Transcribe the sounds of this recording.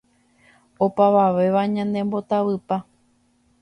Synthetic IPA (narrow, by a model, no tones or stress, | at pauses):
opaʋaʋe̞ʋaɲãnd̪ẽ̞mbo̞t̪aʋɨpa